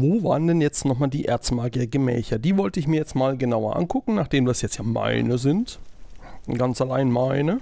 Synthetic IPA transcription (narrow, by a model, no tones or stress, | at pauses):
voːva̰ːʁəndɛnjɛt͡stnɔχmaːldiːʔḛɐt͡sstmaːɡiɐɡəmɛ̰ːçɐdiːvɔltəɪçmiːɐjɛt͡stmaːlɡənaʊɐ̰ʔa̰nkʰʊkŋ̩naːχd̥eːmdasjɛt͡stjaːma̰ɪnəzɪnt | ɡ̥ant͡salaɪnmaɪnə